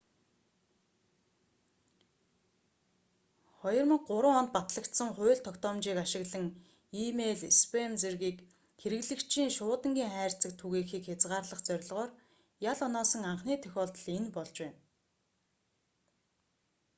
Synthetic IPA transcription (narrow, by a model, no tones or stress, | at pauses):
χɔjɞ̆rmə̆ɢʊɾə̆ŋɔnt̪̚pat̪ɮə̆kt̪sə̆ŋχʊːɮt̪ʰːɔkt̪ɔːmt͡ɕiːkaʃɪ̆ɣɮə̆ŋ | imeɮespʰemt͡serɣiːk | xeɾɘ̆ɣɮɘ̆kt͡ɕʰiːŋʃʊːt̪ə̆ŋɡʲiːŋχæːr̥t͡sə̆k̚t̪ʰuɣeːxiːkxet͡sʁaːrɮə̆χt͡sœɾ̆ʲɮʁɔːr | jaɮɔnɔːsɞ̆ŋaɴχniːt̪ʰœxʲɔːɮt̪ɞ̆ɮenpɔɮt͡ɕwæːn